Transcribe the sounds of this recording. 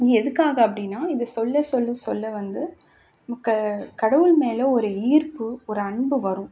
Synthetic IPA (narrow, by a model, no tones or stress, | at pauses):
ɪŋɡɛðɯkːaːɣɐɐp̬ːɐɽɪnːaːɪðɐsɔlːɐsɔlːɐsɔlːɐʋɐnd̪ɯ | ɐkːɐkɐɽɐʋɯlmeːlɐɔɾɯiːɾpɯɔɾɯɐɳbɯʋɐɾʊ̃